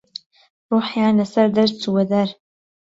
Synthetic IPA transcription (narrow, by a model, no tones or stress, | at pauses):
ruːħjaːnlɐsɐɾd̪ɐɾt͡suwɐd̪ɐɾ